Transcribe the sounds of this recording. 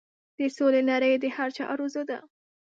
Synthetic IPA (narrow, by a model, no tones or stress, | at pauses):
d̪̥əsolenaɾəjd̪əhaɾt͡ʃɑ̰ʔɾozod̪a̰